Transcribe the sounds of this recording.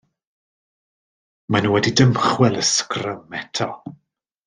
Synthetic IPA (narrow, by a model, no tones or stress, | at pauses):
manuwɛdidəmχwɛlˠəskrəmɛtʰɔ